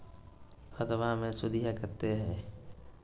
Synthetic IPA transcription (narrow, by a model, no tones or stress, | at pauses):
xət̪ʋamẽsʊd̪iɦakɐɾt̪eɦɛ̃ː